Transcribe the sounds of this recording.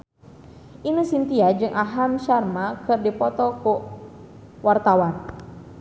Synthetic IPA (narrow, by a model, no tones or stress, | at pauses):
inəsint̪iad͡ʒɨŋʔaɦamʃarmakɨrdipɔt̪ɔku | wart̪awan